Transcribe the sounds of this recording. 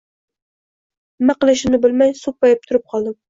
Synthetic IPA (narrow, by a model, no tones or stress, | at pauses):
mːaqɨlˠɪʃɪnɪbɪlmajsupːɑjɪp̚t̪ʰʊɾɪp̚qʰɒlˠd̪ɪm